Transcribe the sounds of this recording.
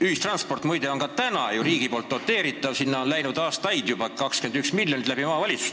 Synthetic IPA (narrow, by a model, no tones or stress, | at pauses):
yhist̪rɑnspo̞rt̪mujd̪e̞o̞nkɑt̪ænɑjuɾiːɡ̥ipo̞ːlt̪ːo̞t̪ːe̞ːɾit̪ːˑɑvsinːɑo̞nlæjnud̪̥ɑːst̪ɑjd̪̥jubɑkɑkske̞nd̪yksmilʲjo̞nʲit̪læb̥imɑːvɑlʲit̪su̥st̪